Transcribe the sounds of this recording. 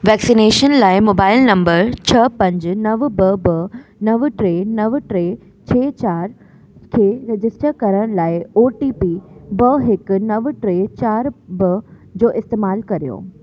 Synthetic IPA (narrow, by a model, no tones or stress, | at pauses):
ʋɛːksineːʃənlaːɪmoːbaːɪlnɐ̃mbəɾt͡ɕʰɐpɐ̃ɲd͡ʑnɐʋbɐbɐnɐʋʈɾeːnɐʋʈɾe | t͡ɕʰeːt͡ɕaːɾ | kʰeːɾɪd͡ʑɪsʈəɾkɐɾəɽ̃laːɪoːʈiːpibɐɦɪkʊnɐʋʈɾet͡ɕaːɾbɐ | d͡ʑoːʔɪst̪eːmaːlkɐɾijo̰ː